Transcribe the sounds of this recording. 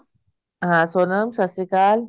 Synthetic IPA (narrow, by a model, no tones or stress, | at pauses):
ɦãsonəmsasikaːl